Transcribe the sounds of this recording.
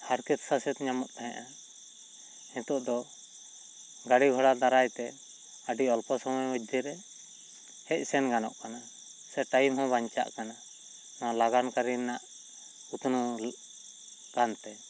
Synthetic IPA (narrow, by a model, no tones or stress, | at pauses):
haɾkɛt̪sasɛt̪ɲamɔt̪̚t̪aɦɛ̃ʔa | hɛ̃t̪ɔʔd̪ɔ | ɡaɽiɡʱɔɽad̪aɾajt̪ɛ | əɖiɔlpɔsɔmɔjməd̪ʱiɾɛ | hɛc̚ˀsɛnɡanɔ̰ʔkana | sɛʈajmɦɔ̃baɲt͡ʃa̰ʔkana | nalaɡankaɾinaʔ | ut̪nu | ɡ̥ant̪ɛ